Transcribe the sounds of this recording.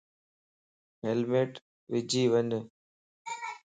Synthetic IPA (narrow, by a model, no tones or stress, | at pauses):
ɦelmeːʈ | ʋɪd͡ʑʱiːʋəɲ